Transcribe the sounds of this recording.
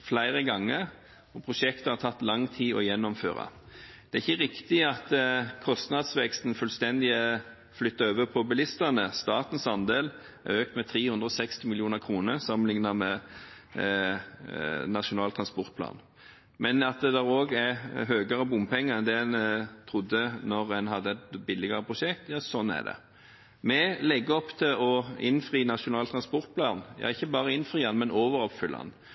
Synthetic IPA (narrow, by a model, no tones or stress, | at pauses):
flæɪɾəɡɑŋːəɾ | ɔpʰʁʊʂɛkt̪əhɑɾt̪ʰɑt̪ːlɑŋt̪ʰiːɔjɛnːɔmfø̰ːɾɑ̰ | d̪̥ɛæɪçːəʁɪkt̪ɪɑt̪kʰɔst̪nɑd̪sʋɛkst̪n̩fʉlst̪ɛnd̪ɪə | flʏt̪ːəøːʋəpʰɔbɛlɪst̪ənəst̪ɑːt̪n̩sɑnd̪eːl | æ̰ɾøːkt̪mɛt̪ʰɾeːhʉnd̪ɾɔsɛkst̪ɪmɪljuːnəʁkʰʁuːnəɾsɑmnɪŋnɑmɛ | nɑʂʊnɑːlt̪ʰʁɑnspɔɾt̪̚pʰlɑ̰ːn | mɛnɑt̪̚d̪ɛd̪ɛɾoːɡæɾɦøːɡəɾəbʊmpʰɛŋːəɛnd̪ɛːɛnt̪ʰɾʊd̪ːənɔɾɛnɦɑd̪ːəɛt̪bɪlːɪɡəɾəpʰʁʊʂɛkt̪jɑːsɔnæ̰d̪ɛ̰ | mɛlɛɡːəɔpːt̪ʰɪlɔɪnfʁiːnɑʃʊnɑːlt̪ʰʁɑnspɔɾt̪̚pʰlɑːnjɑ̰ːɪçːəbɑːʁəɪnfɾiːɑnmɛnoːʋəɾɔpfʏlːɑ̰n